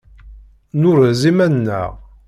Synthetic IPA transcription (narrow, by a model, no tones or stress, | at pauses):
nʊɾzimænːə̰ʁ